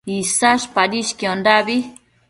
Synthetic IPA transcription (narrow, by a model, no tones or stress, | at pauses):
isaʃpaɾiʃkiondaβi